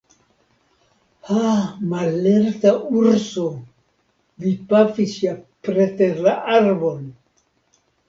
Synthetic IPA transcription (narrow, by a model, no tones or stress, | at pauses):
hamalːeɾtauɾso | vipafisjapɾeteɾlaʔaɾbon